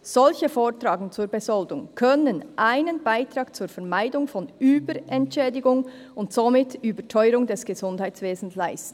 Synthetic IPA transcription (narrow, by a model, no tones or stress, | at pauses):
z̥ɔlçəfoːtɾaːɡn̩t͡suːɾbɛzɔldʊŋkʰœnənʔaɪnənbaɪtɾɑːkt͡suːɾfɛɐmaɪdʊŋfɔnyːbəɾɛntʃɛːdɪɡʊŋ | ʊntz̥omɪtyːbətʰœʏɾʊŋdɛsɡ̥əzʊndhaɪt͡ssv̥eːzn̩slaɪstn̩